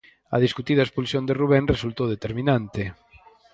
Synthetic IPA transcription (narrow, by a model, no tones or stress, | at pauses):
ɐ̰ðiskut̪iðɐespulsjõnd̪eruβ̞enresult̪oðet̪eɾminant̪ɪ